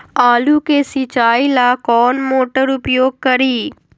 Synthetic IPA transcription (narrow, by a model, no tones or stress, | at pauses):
aːlukeːsit͡ʃaːilakɔːnmoːʈəɾʊpjoːɡ̚kɐɾiː